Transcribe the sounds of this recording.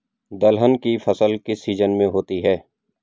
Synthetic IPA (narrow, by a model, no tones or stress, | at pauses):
d̪əlɦənkifʰɐsəlkisiːzənmẽɦoːt̪iɦɛː